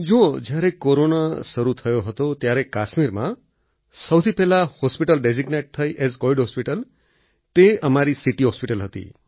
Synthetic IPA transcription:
d͡ʒõd͡ʒaɾekoɾonasʌɾut̪ʰʌjoɦɔt̪ot̪jãɾekasmiɾma | sʌwt̪ʰipelahospiʈəlɖeziɡneʈ̚t̪ʰʌjʔesɡoiɖɦospiʈəl | t̪eʌmaɾisiʈiɦospiʈəlɦʌt̪ḭ

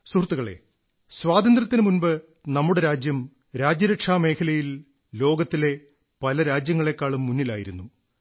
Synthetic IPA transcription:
surt̪ːuɣɐɭe̞̰ | sʋaːd̪ɐnd̪rɐt̪ːinɨmunbɨ | nɐmːuɽe̞ɾaːd͡ʑjɐm | ɾaːd͡ʑjɐɾɐkʂaːme̞ːkʰɐlɐjil | lo̞ːɡɐt̪ːile̞ | pɐlɐɾaːd͡ʑjɐŋːɐɭe̞kːaːɭumːunːilaːjiɾunːu

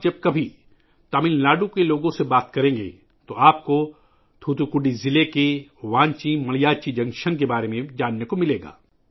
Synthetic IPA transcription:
d͡ʒɐb̚kɐbʱi | t̪aːmɪnlaːɖũkeloːɡõsebaːt̪kɐɾẽːɡḛ | t̪oʔaːp̚ko | t̪ʰuːt̪ukʊɖizɪlekeʋãːɲt͡ʃĩmɐlijaːt͡ʃid͡ʒɐ̃ŋʃənkebaːɾemẽd͡ʒaːnːekomɪleːɡa̰ː

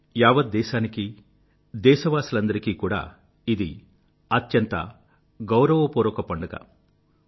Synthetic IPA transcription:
jaːʋɐd̪̚d̪ːɛːʃaːniki | d̪ɛːʃɐʋaːsilɐnd̪ɐɾikiːkuːɽa̰ː | id̪ḭ | ɐt̪jɐnt̪ɐ̰ | ɡɐwɾɐʋɐpɔːɾɐkɐpɐɳɖɐɡɐ̰

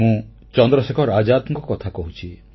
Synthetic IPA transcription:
ũ | t͡ʃɔnd̪ɾɔsekʰɔɾad͡ʒat̪ŋkɔkɔt̪ʰakɔɦut͡ʃʰi

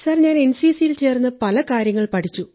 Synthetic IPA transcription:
saːrɐɲːaːne̞nsiːsijilt͡ɕe̞ːrnːɨpɐlɐkaːɾjɐŋːɐɭpɐʈʰit͡ɕːu

